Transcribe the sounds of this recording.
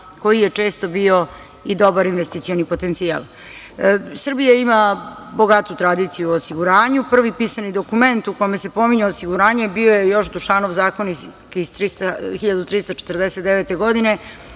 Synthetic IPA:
ko̞jijet͡ʂe̞ːst̪o̞bio̞ | id̪o̞baɾinʋest̪it̪sio̞nipo̞t̪ent̪sia̰lˠ | sr̩bijaimabo̞ɡat̪ut̪ɾad̪it̪sijuosiɡuɾaːɲupr̩ʋipisanid̪o̞kume̞nt̪ukome̞se̞po̞miɲeosiɡuɾaːɲe̞bio̞jejo̞ʃd̪uʃanoʋzaːkoni | ist̪ɾist̪axiʎad̪ut̪ɾist̪at͡ʃe̥t̪r̩d̪eset̪d̪eʋet̪e̞ɡo̞d̪ine̞

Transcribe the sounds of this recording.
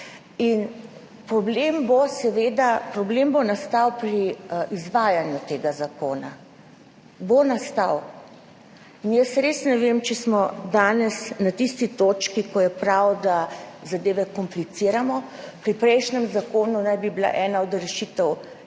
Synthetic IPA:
in | pɾɔblembosɛʋeːd̪apɾɔbleːmbonast̪awpɾiʔizʋaːjanjut̪eːɡazakoːna | bonast̪aw | injɛsɾeːsnɛʋeːmt͡ʃɛsmɔd̪aːnɛsnat̪ist̪it̪oːt͡ʃkikɔjɛpɾawd̪azad̪eːʋɛkɔmplit̪siːɾamɔpɾipɾɛjʃnɛmzakoːnunajbibila̰ʔɛːnaɔd̪ɾɛʃit̪əw

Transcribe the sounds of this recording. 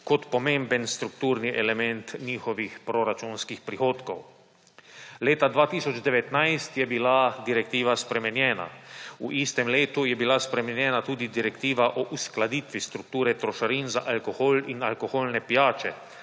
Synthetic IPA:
kɔt̪pɔmẽmbənst̪ɾukt̪uːɾniʔɛlɛmɛnt̪ɲiːxɔʋixpɾoɾat͡ʃunskixpɾixoːt̪kow | leːt̪ad̪ʋaːt̪iːsɔd͡ʒd̪ɛʋɛt̪najst̪jɛbilad̪iɾɛk̚t̪iːʋaspɾɛmɛnjɛːna̰uʔist̪ɛmleːt̪ujɛbilaspɾɛmɛnjɛːnat̪uːd̪id̪iɾɛkt̪iːʋaʔɔʔusklad̪iːt̪ʋist̪ɾuk̚t̪uːɾɛt̪ɾɔʃaɾinza̰ʔalkoxoːlinalkoxoːlnɛpijaːt͡ʃɛ

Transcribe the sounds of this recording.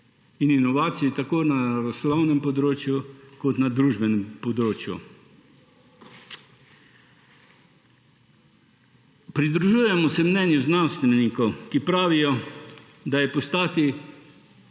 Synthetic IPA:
ininɔʋaːt̪sijit̪akoːnaɾaslawnɛmpɔd̪ɾoːt͡ʃjukot̪nad̪ɾuːʒbɛnɛmpod̪ɾoːt͡ʃjṵ | pɾid̪ɾuʒuːjɛmɔsɛmnɛnjuznanst̪ʋɛnikokipɾaːʋijɔ | d̪ajɛpost̪aːt̪i

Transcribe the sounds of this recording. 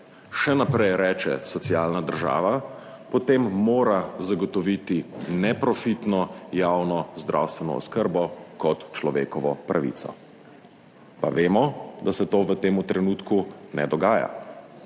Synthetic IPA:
ʃɛnapɾɛjɾɛːt͡ʃɛ̰sɔt̪siaːlnad̪əɾʒa̰ːʋa | pɔt̪emːoːɾazaɡɔt̪ɔʋit̪inɛpɾɔfit̪nɔjawnɔzd̪ɾʔa̰wst̪ʋɛnɔ̰ɔ̰skəɾbɔkɔt̪t͡ʃlɔʋḛːkɔʋɔpɾʔaʋḭt̪sɔ̰ | pa̰ʋeːmɔd̪asɛt̪oːʋət̪eːmut̪ɾɛnut̪kunɛ̰d̪ɔɡaːja̰

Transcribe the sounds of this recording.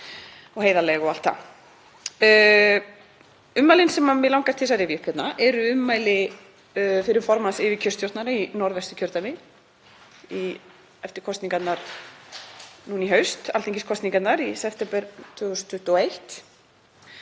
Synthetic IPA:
ɔɣɦeːjðalɛɣɔal̥t̪a̰ | ʏmːaːjlɪnsɛmamɛlawŋkaɾ̥t̪ʰɪsaɾɪvjʏkʰɛt̪naʔɛɾʏʏmːaːjlɪ | fɪɾɪɾ̥fɔɾmansɪːvɪcʰœst̪jowht̪naɾainɔɾvɛst̪ʏ̥cʰœɾt̪anɪ | i | ɛft̪ɪɾ̥kʰɔst̪niŋkat̪naɾ̥ | nuniɦœɥst̪alt̪ʰiŋcɪskʰɔst̪niŋkat̪naɾisɛft̪ɛmpɛɾt̪ʰvʏːɣʏst̪ʰːʏht̪ɔejht̪

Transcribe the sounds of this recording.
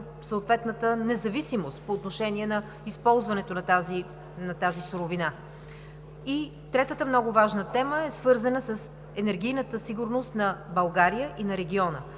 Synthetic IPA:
səot̪vɛt̪nət̪ənɛzɐvisimost̪̚poːt̪noʃɛniɛnɐ | ispɔlˠzvɐnɛt̪onɐt̪azi | nɐt̪azisoɾovina | i | t̪ɾɛt̪ət̪əmnɔɡʊvaʒnət̪ɛməɛsvɤɾzənəsəs | ɛnɛɾɡʲijnət̪əsiɡʊɾnost̪nɐbɐlˠɡaɾijəʔinɐɾɛɡʲiɔnə̰

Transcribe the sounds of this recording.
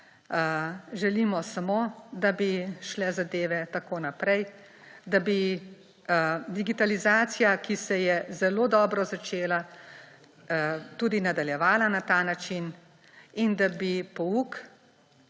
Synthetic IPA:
ʒɛlimɔsamoːd̪abiʃlɛzad̪eːʋɛt̪akoːnapɾɛj | d̪abi | d̪iɡit̪alizaːt̪sijakisɛjɛzɛloːd̪ɔːbɾɔzat͡ʃeːla | t̪uːd̪inad̪aljɛʋaːlanat̪aːnat͡ʃin | ind̪abipɔuk

